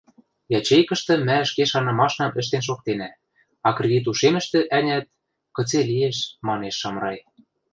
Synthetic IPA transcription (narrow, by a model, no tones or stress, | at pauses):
jɑt͡ɕejkɤ̆ʃt̪ɤ̆mæə̆ʃkeʃɑnɤ̆mɑʃnɑ̆mɘ̆ʃ̬t̪enʃ̬ok̚t̪enæ | ɑkrʲedʲit̪uʃemɘ̆ʃt̪ɘ̆ʔænʲæt̪̚ | kɤ̆t͡selijeʃmɑneʃːɑmrɑj